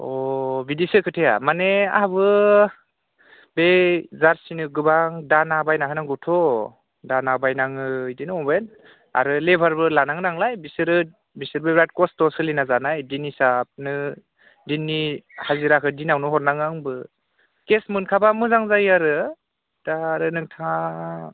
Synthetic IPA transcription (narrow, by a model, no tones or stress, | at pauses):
ɔbidisɯkʰɯtʰeja̰manea̰habɯ | bezaɾsinɯɡɯbaŋdanabajnakʰɯnaŋɡɯwtʰɔ | danabajnaŋɯidinɯɔben | a̰ɾɯlebʱaɾbɯlanaŋnaŋlajbisɯɾɯ | bisɯɾbebɾat̚kɔstɔsɯlinazanajdinisap̚nɯ | dinːihaziɾakʰɯdinawnɯɦɔɾnaŋaŋbɯ | kesmɯnkʰabamɯzaŋzajaɾɯ | d̥aɾɯnɯŋtʰa